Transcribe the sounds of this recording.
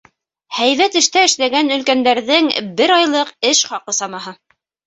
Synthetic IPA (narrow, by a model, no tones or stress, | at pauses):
hæjβæt̪ɘ̆ʃt̪æɘ̆ʃlæɡænɵ̆lkænd̪æɾðɘŋbɘɾɑjlˠɤqɘʃχɑqɤsɑmɑɦɤ